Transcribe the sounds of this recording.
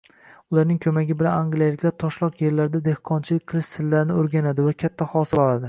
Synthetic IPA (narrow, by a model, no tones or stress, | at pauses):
ʊlaɾnɪŋkʰɵmaɡʲɪbɪlanaŋɡlijalɪkʲlaɾt̪ʰɒʃlˠɒqje̞ɾlaɾɪd̪ad̪e̞hqʰɒnt͡ʃʰɪlɪkʲqʰɨlˠɪʃsɪlːaɾɪnɪoɾɡʲanad̪ɪvakʲʰat̪ʰːahɒsɪlɒlˠad̪ɪ